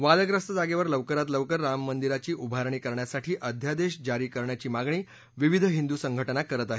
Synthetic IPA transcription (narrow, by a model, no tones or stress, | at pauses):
ʋaləɡɾəst̪əd͡zaɡeʋəɾləʋkəɾat̪ləʋkəɾːamːənd̪iɾat͡ɕiːʔubʱaɾɳiːkəɾɳjasaʈʰiːʔəd̪ʱjad̪eɕd͡ʑaɾiːkəɾɳjat͡ɕiːmaɡɳiː | ʋiʋid̪ʱɦind̪usəŋɡʱəʈənakəɾət̪aɦe